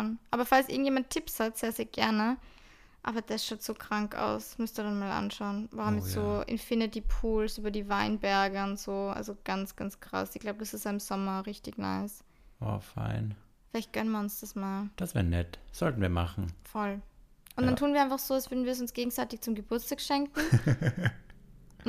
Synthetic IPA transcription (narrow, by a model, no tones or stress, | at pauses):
nʔaːbɐfalsʔɪ̰ŋtjeːmantʰːɪpshatz̥eːɐzeːɐɡ̥ɛɐnə | ʔaːbɐd̥asʃaʊtz̥oːkʁ̥aŋka̰ʊsmʏstnduːɐdanmaːlʔa̰nʃaʊnvaʁʊmjɛstz̥oːʔɪ̰nfɪnɪtiːpʰuːlsʔyːbɐdiːvaɪnbɛɐɡəʊntz̥oːʔa̰lzoɡ̥ansɡ̥ant͡skʁ̥a̰sɪçɡ̥laʊbəd̥asɪstaɪmz̥ɔmɐʁɪçtɪçna̰ɪs | ʔo̰ːfa̰ɪn | fɪlaɪçt̚ɡ̥œnənviːɐʊnsd̥asmaːld̥asv̥eɛːɐnɛtz̥ɔltn̩viːɐma̰χn̩fɔlʔʊntdantʰuːnviɐɪnfaχz̥oːasvʏɐdn̩viːɐs̬ʊnsɡ̥eːɡŋ̩zaɪtɪçt͡sʊmɡəbʊɐt͡staːkʃɛŋkŋ̩